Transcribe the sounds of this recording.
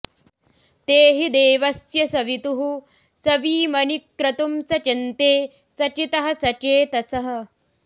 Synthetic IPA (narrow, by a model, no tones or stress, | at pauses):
t̪eːɦid̪eːʋɐsjɐsɐʋit̪uɦu | sɐʋiːmɐnikːɾɐt̪umsɐt͡ʃint̪eː | sɐt͡ʃit̪ɐɦɐ̆sɐt͡ʃeːt̪ɐsɐɦɐ̆